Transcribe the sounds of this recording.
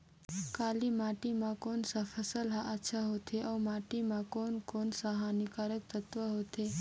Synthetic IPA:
kaːlimaːʈimãkoːnsafʰəsəlɦaʔətːʃʰaɦot̪ʰeʔawmaʈimãkoːnkoːnsaɦanikaɾək̚t̪ət̪ʋəɦot̪ʰe

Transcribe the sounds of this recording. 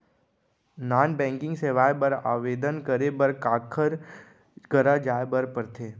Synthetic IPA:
naːnbɛ̃ːŋkɪ̃ŋɡseːʋaːjbəɾa̰ːʋeːd̪ənkəɾebəɾkaːkʰəɾ | ɡəɾad͡ʒaːebəɾpəɾt̪ʰeː

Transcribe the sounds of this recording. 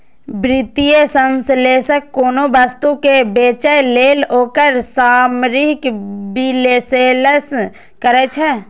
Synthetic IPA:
bɾɪt̪ijesə̃nsleːsəkːoːnobəst̪ukebeːt͡ʃəjleːloːkəɾsaːmɾɪkbileːseləs | kəɾɛt͡ʃʰɛː

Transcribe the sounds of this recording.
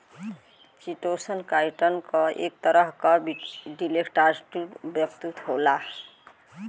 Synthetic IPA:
siʈosənkajʈənkʌʔḛk̚t̪əɾʌɦkʌɖilekʈaɾsʈubjəkt̪ut̪ɦola

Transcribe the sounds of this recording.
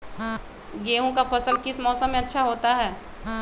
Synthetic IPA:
ɡeːɦõkapʰɐsəlkɪsmɔːsəmːẽɐtːʃʰaɦoːt̪aɦɛː

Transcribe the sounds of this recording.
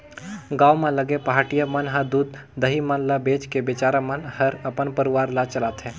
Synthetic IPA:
ɡaːwmẽləɡepɐɦaːʈijamənɦəd̪uːd̪ː | əɦimənlabeːt͡ʃkebet͡ʃaːɾamənhəɾəpənpəɾɪʋaːɾlat͡ʃəlaːt̪ɦɛ̃ː

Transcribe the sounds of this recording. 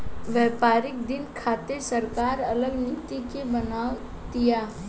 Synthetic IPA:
ʋɛːpaːɾɪk̚d̪ɪnkʰaːt̪esəɾkaːɾɐləɡnɪt̪ikebɐnaːw | d̪ijaː

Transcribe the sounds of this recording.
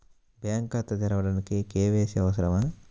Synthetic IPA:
bjaːŋkɐt̪ːɐt̪iɾɐʋɐɽɐnikikeːʋeːsiɐʋɐsɐɾɐmaː

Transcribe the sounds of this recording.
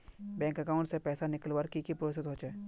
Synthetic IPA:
bɛ̃ːŋkɐkaːʊ̃ɳʈsepɛːsanɪkəlʋaːɾkikipɾoɪsɪt̪ɦoːt͡ʃeː

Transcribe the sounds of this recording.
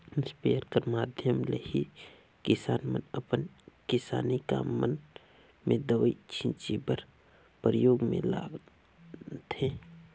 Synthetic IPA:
spejəɾkəɾmaːd̪ʱjəmləhi | kɪsaːnmə̰nəpənkɪsa̰ːnika̰ːmːən | mẽd̪əʋəit͡ʃʰĩnt͡ʃibəɾ | pɾəjoːɡmḛ̃la̰ːɡ | t̪ʰẽ

